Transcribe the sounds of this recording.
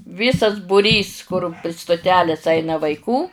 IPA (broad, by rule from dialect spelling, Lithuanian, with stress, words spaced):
ˈʋʲiːsɐs bʊˈrʲiːs kʊr pʲrʲɪ stʊˈtʲæːlʲeːs ˈɐɪnɐ ʋɐɪˈkuː